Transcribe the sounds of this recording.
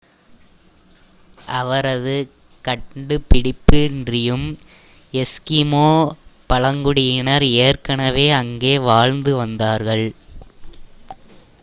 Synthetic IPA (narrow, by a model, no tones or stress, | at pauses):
ʔɐʋɐɾɐðɯ | kɐʈɖɯpɪɽɪpːɯɪndrɪjɯm | ɛskɪmoːpɐɭɐŋɡʊɽɪjɪɳɐɾeːrkɐɳɐʋeːɐŋɡeːʋaːɻnd̪ɯʋɐnd̪aːɾɣɐɭ